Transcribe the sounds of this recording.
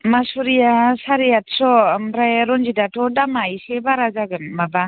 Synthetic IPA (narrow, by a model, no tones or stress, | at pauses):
masuɾijasaɾijat̚sɔmɾajɾɔnd͡ʒidatʰɔdamajsebaɾazaɡɯnmaba